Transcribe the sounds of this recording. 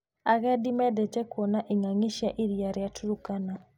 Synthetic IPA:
aɣɛdimɛdɛt͡ʃɛkwɔnaʔiŋaŋiʃaʔiɾjaɾjatʰuɾukana

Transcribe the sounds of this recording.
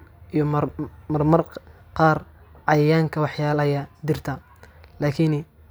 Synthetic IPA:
ijɔmmɐrmɐr | qɑːrʕɑjɐjaːŋkʰɐwɑħjaːlɐjɐd̪ɪrt̪ʰɐ | laːkʰin

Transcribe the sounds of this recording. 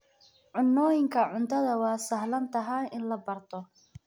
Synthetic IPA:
ʕʊnːɔːjɪŋkʰɐʕʊnt̪ʰɐðɐwɑːsɐhlɐnt̪ʰɐɦaɪnlɐbɐrt̪ʰɔ

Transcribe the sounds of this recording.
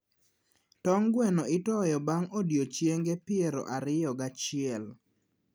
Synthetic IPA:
tɔŋɡwɛnɔɪtɔjɔbaŋodjot͡ʃjeŋɡepɪeɾo̰ʔaɾɪjɔɡat͡ʃɪɛl

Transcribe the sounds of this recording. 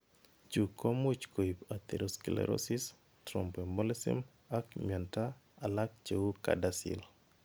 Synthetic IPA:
t͡ʃukomut͡ʃkoipat̪eɾoskilḛɾʔo̰sis | tɾo̰mpembolesḭm | akmɛnta | alak̚t͡ʃewuka̰dasḭl

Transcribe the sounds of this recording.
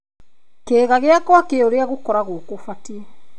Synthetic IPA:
keːɣaɣeakwakeoɾeaɣokɔɾaɣokofatiɛ

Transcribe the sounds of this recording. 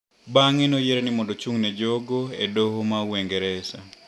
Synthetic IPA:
baŋenojeɾenimɔndot͡ʃuŋnɛd͡ʒoɡoedohomaweŋɡɛɾɛsa

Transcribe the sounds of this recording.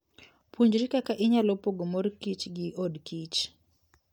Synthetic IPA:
pʰuɲd͡ʒɾikakaʔɪɲalɔpoɡomoɾkit͡ʃɡiʔɔdkit͡ʃ

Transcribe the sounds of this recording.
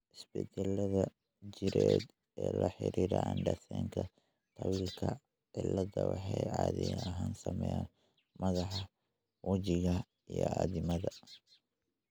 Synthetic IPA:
ʔɪsbɛt͡ʃɛlɐðɐ | d͡ʒɪɾɛːd̪ | ɛːlɐħɪɾiːɾɐnɖɐsɛːŋkʰɐ | t̪ʰɐwiːlkʰɐ | ʕɪlɐðɐwɑħɑjʕɑːðɪjɐɦaːnsɐmɛjaːn | mɐðɑħɑ | wɐt͡ʃɪɣɐ | ijɔaːðɪmɐðɐ

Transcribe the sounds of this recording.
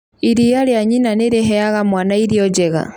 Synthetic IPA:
iɾijaljaɲinaneɾeɦɛaɣamwaːnaiɾjɔd͡ʒeɣa̰

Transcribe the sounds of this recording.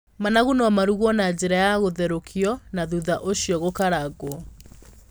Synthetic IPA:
manaɣunamaɾuɣwɔnad͡ʑeɾajaɣoðɛɾokʰiɔnaðuðaʔoɕjɔɣokaɾaɣwɔ

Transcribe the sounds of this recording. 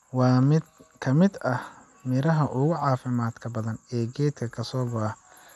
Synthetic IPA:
wɑːmɪd̪kʰɐmɪd̪ɐh | mɪɾɐɦɐʔʊɣʊʕɑːfɪmaːd̪kʰɐbɐðɐnɛːɡɛːd̪kʰɐkʰɐsɔːɡɔɐ

